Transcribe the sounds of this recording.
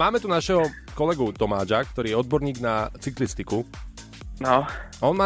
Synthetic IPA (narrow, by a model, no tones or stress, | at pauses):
maːmɛt̪unaʃɛɦɔ | kɔlɛɡut̪ɔmaːd͡ʒak̚t̪ɔɾiːjɛɔd̪̚bɔɾɲiːɡnat͡siklist̪iku | nɔɔnmaː